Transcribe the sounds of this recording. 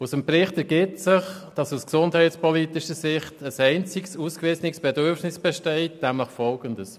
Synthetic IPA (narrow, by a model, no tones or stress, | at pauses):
usəmpɾɪχtəɾɡɪtsɪχd̥ɑsusksʊndhɛɪspɔlitɪʃəsɪχtəsɛɪnt͡sɪksuːskʋɪːsnɪksb̥ɛdøɾfnɪsb̥ɛʃtɛɪt̚d̥æmɑχtfɔlɡəndəs